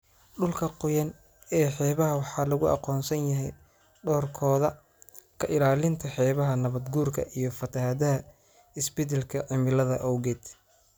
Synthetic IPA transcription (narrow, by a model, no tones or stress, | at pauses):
ɖʊlkʰɐqʊjɐn | ɛːħɛːβɐɦɐwɑħɑːlɐɣʊʔɑ̰qɔːnsɐnjɐɦɛj | ɖɔːrkʰɔːðɐ | kʰɐʔɪlaːlɪnt̪ʰɐħɛːβɐɦɐnɐβɐd̪ɡuːrkʰɐ̰ʔijɞfɐt̪ʰɐɦaðɐɦɐ | ɪsbɛt̪ɛlkʰɐʕɪmɪlɐðɐʔɔwɣɛːd̪̥